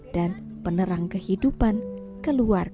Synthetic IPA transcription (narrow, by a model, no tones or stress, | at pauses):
d̥an | pənəɾaŋkəhidupan | kəluar